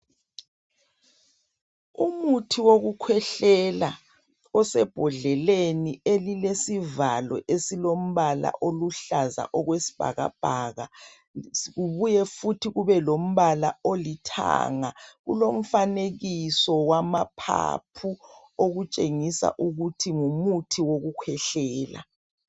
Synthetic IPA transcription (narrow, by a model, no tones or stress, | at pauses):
umutʰiwoɣukʰwɛɬɛla | ɔsɛb̥ʱɔɮɛlenielilesivalɔ̰ʔesilom̩βala̰ʔoluɬaza̰ʔɔɣwesi̥b̥ʱa̰ɣa̰b̥ʱaɣa | ɣuβujɛfutʰiɣuβɛlom̩βala̰olitʰa̰ŋaɣṵlom̩faneɣisɔwamapʰa̰pʰu | oɣut͡ʃʼeŋisa̰ʔuɣutʰiŋumutʰiwoɣukʰwɛɬɛːla̰